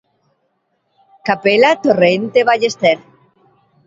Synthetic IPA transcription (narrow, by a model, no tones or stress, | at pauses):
kapelat̪oreent̪eβaʎest̪eɾ